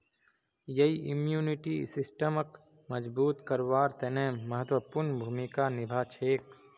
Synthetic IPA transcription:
jɐiʔimjuːniʈisɪsʈəmək | məd͡ʒbuːt̪kəɾwaːɾt̪enẽːmɐɦət̪wəpuɾnbʱuːmikanɪbʱaːt͡ʃʰeːk

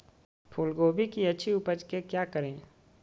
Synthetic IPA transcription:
pʰʊlɡoːbʱikiɐtːʃʰiʊpəd͡ʒkekjaːkəɾẽː

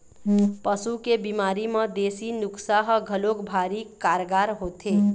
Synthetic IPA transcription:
pəsukebimaːɾimə̃d̪eːsinʊksaɦɡʱəlokbʱaːɾikaːɾɡaːɾɦoːt̪e

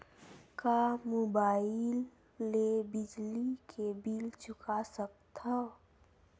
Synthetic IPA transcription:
kamobaːɪlː | ebɪd͡ʒlikʰebilt͡ʃʊkasək̚t̪a

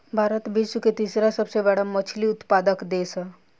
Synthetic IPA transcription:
bʱaːɾət̪bid͡ʒsuket̪iːsɾasəbsebɛːɽamət͡ʃʰliʊt̪paːd̪əkd̪eːsə

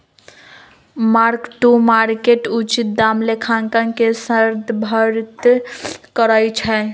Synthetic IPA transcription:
maɾkʈumaɾkeʈut͡ʃit̪̚d̪amlekʰaŋkənkesəɾd̪bʱəɾt̪ | kəɾəjt͡ʃʰɛ

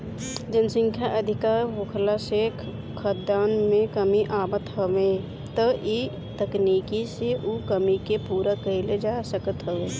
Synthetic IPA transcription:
d͡ʒənsə̃ŋkʰjaʔɐd̪ʱɪkaːɾɦoːkʰlaʃeːkʰ | kʰːəd̪aːnmẽkəmiʔaːbət̪ɦəʋẽː | t̪əi | t̪əkniːkiseʔukəmikepuːɾakəɦɪled͡ʒaːsəkət̪ɦəʋeː

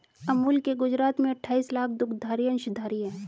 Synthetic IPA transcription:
ɐmuːlkːeɡʊd͡ʒɾaːt̪mẽɐʈʰːaːiːslaːkʰd̪ʊkʰd̪ʱaːɾijə̃nɪʃɪd̪ʱaːɾiɦɛ̃ː

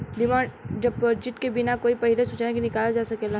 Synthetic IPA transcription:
ɖɪmãːɳd͡ʒɐbd͡ʒɪʈkebɪnakoːipɐɦilesʊt͡ʃːnekinɪkaːlad͡ʒaːsɐkela

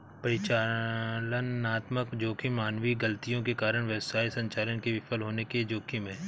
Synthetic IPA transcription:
pɐɾɪt͡ʃaːlənaːt̪məkd͡ʒoːkʰimaːnʋiɡɐlt̪ijõkekaːɾəɽ̃ʋjɐwsaːisɐ̃ɲt͡ʃaːɾənkeʋɪpəlɦoːneked͡ʒoːkʰimẽː

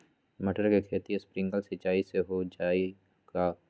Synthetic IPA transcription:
mɐʈəɾkekʰeːt̪iespɾɪ̃ŋɡəlsɪt͡ʃaːiseɦod͡ʒaːi | ka

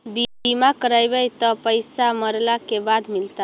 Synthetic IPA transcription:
biimakəɾajbəjt̪ɔpəjsaməɾlakebad̪milt̪a

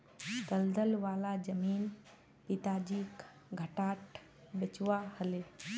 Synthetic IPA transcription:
t̪ɐld̪əlʋaːlad͡ʒɐmiːn | pit̪aːd͡ʒiːk | ɡʱəʈaːʈ | bet͡ʃʋahəle

